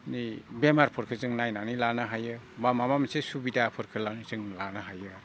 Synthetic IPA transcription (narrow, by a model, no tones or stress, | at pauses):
nibemaɾpʰɔɾkʰɯzɯŋnajnanilanɯɦajɯbamamamsesubidapʰɔɾkʰɯlanizɯŋlanɯɦajɯ